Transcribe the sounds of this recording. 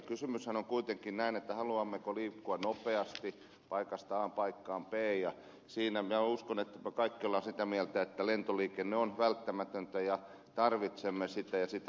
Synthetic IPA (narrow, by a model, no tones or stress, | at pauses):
kysymyshænoŋkuit̪eŋkinnæinet̪ːæhɑluɑmːekoliːkːuɑnopeɑst̪i | pɑikɑst̪ɑːmpɑikːɑːmpeːjjɑ | siːnæminæuskonet̪ːæmekɑikːiolːɑsit̪æmielt̪æet̪ːælent̪oliːkenːeonʋælt̪ːæmæt̪ønt̪æjɑ | t̪ɑrʋit̪semːesit̪æjɑsit̪æ